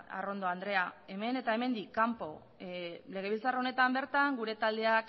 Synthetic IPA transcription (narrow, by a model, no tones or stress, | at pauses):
a̰ro̞nd̪oand̪ɾe̞ae̞me̞ne̞t̪ae̞me̞nd̪ikːampo̞ | le̞ɣ̞e̞βilt͡saraone̞t̪ambe̞ɾt̪aŋɡuɾe̞t̪ald̪e̞ak